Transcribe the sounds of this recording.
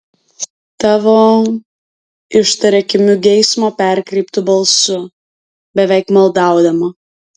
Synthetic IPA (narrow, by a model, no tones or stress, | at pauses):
t̪ɑːʋoː | ɪʃt̪ɐɾʲɛkʲɪmʲʊɡʲɛɪsmopʲɛˑɾʲkɾʲɛɪpt̪ʊbɐlˠsʊ | bʲɛʋʲɛɪkmɐlˠd̪ɑˑʊd̪ɐmo